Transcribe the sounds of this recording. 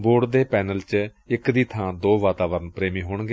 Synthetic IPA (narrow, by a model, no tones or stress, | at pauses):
boːɖd̪eːpɛːnəlt͡ʃ | ɪkd̪iːt̪ʰãːd̪oːʋaːt̪aːʋəɾənpɾeːmiːɦoːɳɡeː